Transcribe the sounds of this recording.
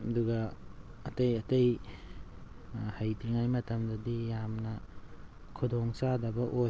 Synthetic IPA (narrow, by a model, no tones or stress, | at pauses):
ɐduɡɐː | tejɐtej | hajtiŋajmɐtɐmdɐdijamnɐ | kʰudɔŋsadɐbɐʔo